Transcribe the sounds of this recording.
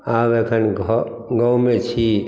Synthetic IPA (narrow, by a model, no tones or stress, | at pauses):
aːbeːkʰənɡ | ɡəumet͡ʃʰi